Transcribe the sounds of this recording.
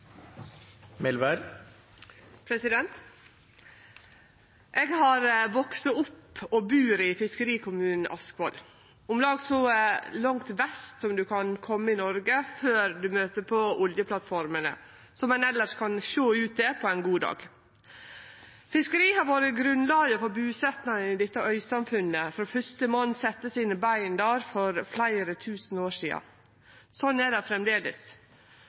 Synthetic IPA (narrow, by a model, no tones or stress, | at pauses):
mɪlʋəɾ | pʰɾɛsɪd̪ɛnt̪ | ʔeːɡhɑɾʋɔksəʊpːɔbʉːɾɪfɪskəɾiːkʊmʉːnn̩ʔɑskʋɔl | ʊmlɑːɡsɔlɑŋt̪ʋɛst̪sɔmd̪ʉkʰɑnkʰɔmːəɪnɔɾɡəføːɾd̪ʉmøːt̪əpʰɔʊljəpʰlɑt̪fɔɾmənə̰ | sɔmɛnɛlːəʂkʰɑnʃoːʉːt̪̚d̪ɛpʰɔæɪnɡuːd̪ɑ̰ːɡ̥ | fɪskəɾiːhɑɾʋoːɾəɡɾʉnlɑːɡəfɔbʉːsɛt̪nɑŋənɪd̪ɛt̪ːəœʏsɑmfʉnːəfɔɾɔfʏst̪əmoːnsɛt̪ːəsinəbæɪnd̪æːɾfɔɾflæɪɾət̪ʰʉːsn̩oːʂiːɑ̰ | sɔnːæɖɛfɾɛmd̪eːd̪ə̰s